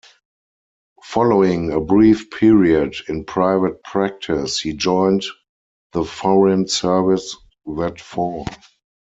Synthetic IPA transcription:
fɔloɪ̃ŋəbɹiːfpʰiɹiədɪ̃npʰɹaɪvət̚pʰɹæk̚tʰɪshiːd͡ʒɔ̃ɪ̃nt | ðəfɔɹə̃nsɜ˞vɪs | ðɛtfɔ

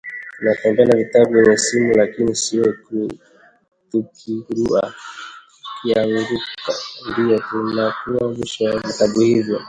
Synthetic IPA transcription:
tunapɛŋbɛanavitabuvjasimulakinisiɔk | tukiɾua | kiamuɾukandiɛtunnakuambuʃavitabuhivjɔ

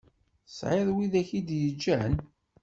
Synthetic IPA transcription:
sʕɪðˤwiðæçid̪jəd͡ʒːæən

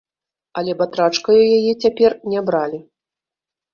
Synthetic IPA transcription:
ɐlʲɛbat̪ɾat͡ʂkɐjaujajɛt͡sʲapʲɛrnʲɛbɾalʲi

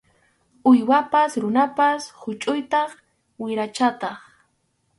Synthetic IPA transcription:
ʊjwapasɾʊnapashʊt͡ʃʼʊjt̪ɑχ | wɪɾat͡ʃat̪ɑχ

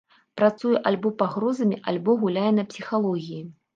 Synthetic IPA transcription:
pɾat̪sujɛʔalʲbɔpaɣɾɔzɐmʲiʔalʲbɔɣulʲajɛnɐpsʲixalˠɔɣʲiji

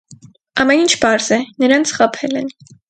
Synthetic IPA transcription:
ɑmɛnint͡ʃʰpɑɾzɛnəɾɑnt͡sʰχɑpʰɛlɛn

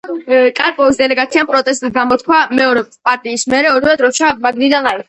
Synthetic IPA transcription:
kʼaɾpʼɔvisd̪ɛlɛɡat̪sʰiampʼɾɔt̪ʼɛst̪ʼɡamɔt̪̚kʰwamɛɔɾɛpʼaɾt̪ʼiːsmɛɾɛɔɾvɛd̪ɾɔt͡ʃʰamaɡnid̪anaɾ

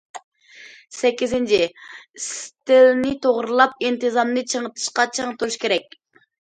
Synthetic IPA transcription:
sɛkʲːizɪnt͡ʃʰist̪ɪlnɪt̪ʰoʁɾɨlˠɑpint̪ɨzɑmnɨt͡ʃʰəŋət̪ʰɨ̥ʃqɑt͡ʃʰəɴət̪ʰːuɾuʃkʲʰeɾɛk̚ʲ

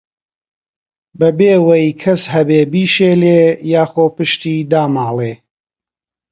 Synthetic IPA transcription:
bɐbeːwɐjkʰɐshɐbeːbiːʃeːlejaːxoːpɨʃt̪iːd̪aːmaːlˠeː

